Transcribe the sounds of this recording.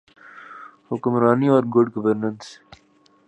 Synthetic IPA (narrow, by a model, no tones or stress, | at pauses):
hʊkʊmɾaːniɔːɾɡʊɖɡɐʋəɾnə̃ns